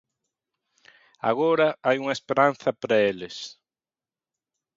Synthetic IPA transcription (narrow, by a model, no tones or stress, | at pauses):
a̰ɣoɾɐajuŋɐespeɾanθɐpɾɐelɪs